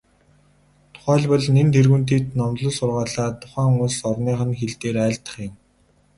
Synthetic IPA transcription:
t̪ʰʊ̥χæːɮpɔɮnent̪ʰerɣunt̪̬iːt̪nɔmɮɞ̆ɮsʊrʁaːɮaːt̪ʰʊ̥χæːxʊmʊsɔrniːχə̆nxeɮt̪eːɾæːɮt̪ə̥̆χjɪ̆m

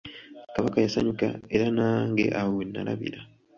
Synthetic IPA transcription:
kaβakajasaɲuka̰e̞ɾanaːŋɡe̞̰ʔawowenːa̰la̰βḭɾa

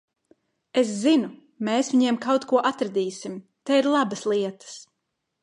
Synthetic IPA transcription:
es̬zinu | meːsviɲiɛmkawt̪kuɔʔat̪ɾad̪iːsim | t̪ɛiɾlˠabɐslˠiɛt̪ə̥s

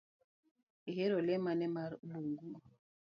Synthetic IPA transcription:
iɦɛɾɔlɛmanɛmaɾmuŋɡu

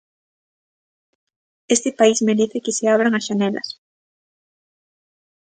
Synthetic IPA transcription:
est̪epaizmeɾeθekɪseaβ̞ɾaŋasʃanela̰s

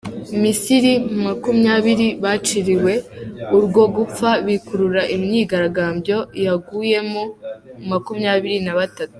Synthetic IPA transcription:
misiɾimumakumɲaːβiɾiβat͡ʃiɾiwe̞uɾɡo̞ɡup͡faβikuɾuɾaʔimɲiːɡaɾaɡaːmbjo̞jaɡuje̞moumakumɲaːβiɾinaβatatu̥

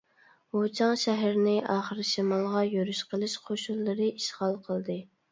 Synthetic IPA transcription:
hot͡ʃʰɑŋʃɛɦæɾnɪʔɑːχəɾɨʃimɑlˠʁɑjøɾyʃqʰəlˠɨʃqʰoʃulˠːɨɾɨʔiʃʁɑlˠqʰəlˠd̪ɨ

